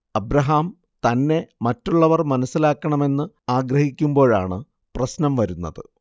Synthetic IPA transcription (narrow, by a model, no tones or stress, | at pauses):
ɐbɾɐɦaːm | t̪ɐnːe̞mɐtːuɭːɐʋɐrmɐnɐsːilaːkːɐɳɐme̞nːɨ | aːɡɾɐhikʲːumbo̞ːɻaːɳɨ | prɐɕnɐmʋɐɾunːɐðɨ